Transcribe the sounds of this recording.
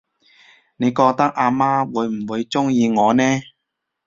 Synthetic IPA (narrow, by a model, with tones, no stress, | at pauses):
ne˨˧jkɔː˧k̚t̪ɐ˥k̚ʔaː˧maː˥wuː˨˧jm̩˨˩wuː˨˧jt͡sʊ˥ŋjiː˧ŋɔː˨˧nɛː˥